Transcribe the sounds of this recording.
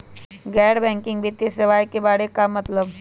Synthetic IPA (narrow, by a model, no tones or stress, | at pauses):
ɡɛːɽbɛ̃ːŋkɪ̃ŋɡbit̪ːisɪʋaːjkebaːɽekamɐt̪ləb